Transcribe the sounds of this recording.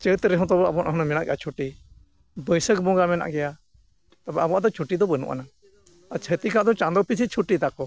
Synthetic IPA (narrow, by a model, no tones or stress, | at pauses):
t͡ʃət̪ɾɛɦɔ̃t̪ɔɔabɔanʔaɦnamɛnaʔɡɛjat͡ʃʰuʈi | bəjsəkbɔ̃ɡamɛna̰ʔɡɛja | t̪abɛʔabɔad̪ɔt͡ʃʰuʈid̪ɔbənṵʔa̰na | at͡ʃʰət̪ikaʔd̪ɔt͡ʃãnd̪ɔpisʰit͡ʃʰuʈit̪akɔ